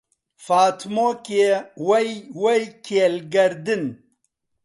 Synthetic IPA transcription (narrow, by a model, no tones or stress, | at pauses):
faːt̪ʰmokewɐjwɐjkʰeːlɡɐɾd̪ɨn